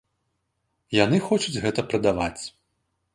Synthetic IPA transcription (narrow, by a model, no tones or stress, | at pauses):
janɨxɔt͡ʂud͡zʲɣɛt̪ɐpɾɐd̪avat͡sʲ